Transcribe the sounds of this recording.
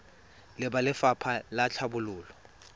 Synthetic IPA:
lɪɓalɪfapʰalat͡ɬʰabʊluːlɔ

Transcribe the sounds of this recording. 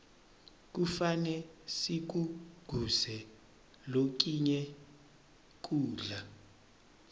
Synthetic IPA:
k̬ufanɛsik̬uɡ̥ʱusɛ | lok̬iɲɛ | k̬uːɮa

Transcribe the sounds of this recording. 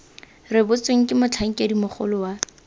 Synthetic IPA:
rɪbʊt͡sʼeŋ̩kʼɪmʊt͡ɬʰaŋ̩kʼedimʊχʊ̰lʊwa

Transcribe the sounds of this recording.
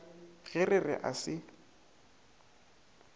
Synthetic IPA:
ɣɛrɪrɪ̰ʔa̰sɪ

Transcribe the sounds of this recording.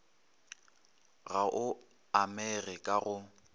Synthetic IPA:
ɣaʔʊ | amɛrɪkʼaɣʊ

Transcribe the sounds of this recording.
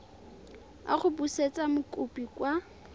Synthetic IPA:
a̰χʊbuset͡sʼamʊkʼupikwa

